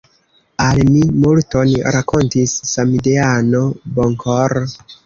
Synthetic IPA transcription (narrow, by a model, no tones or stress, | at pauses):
almimulto̞nɾako̞ntisːamideano̞boŋkʰoɾ